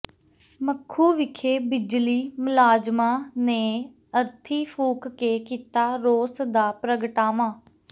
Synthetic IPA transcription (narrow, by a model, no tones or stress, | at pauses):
məkʰːuːʋɪkʰeːbɪd͡ʒliːmʊlaːd͡ʒmaːneː | əɾt̪ʰiːpʰuːkːeːkiːt̪aːɾoːsd̪aːpɾəɡəʈaːmaː